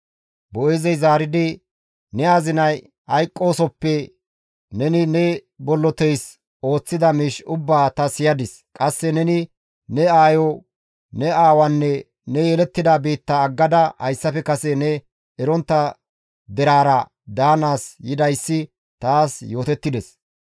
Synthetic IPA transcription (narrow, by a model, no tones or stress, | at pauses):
bɔʔɛzɛjzaːɾɪd̪ɪ | nɛaːzɪnɐj | ɐjkʼːo̞ːsɔpːɛ | nɛnɪnɛbɔlːɔt̪ɛjs | o̞ːt͡sːɪd̪ɐmiʃʊbːaːt̪ɐsɪjɐd̪ɪs | kʼɐsːɛnɛnɪ | nɛaːjɔ | nɛaːwɐnːɛ | nɛjɛlɛt̪ːɪd̪abeːt̪ːɐːɡːɐd̪ɐhɐ̰jsːɐfɛkɐsɛnɛ | ɛɾɔnt̪ːɐ | d̪ɛɾaːɾɐ | d̪aːnaːsjɪd̪ɐjsːɪ | t̪aːsjo̞ːt̪ɛt̪ːɪd̪ɛs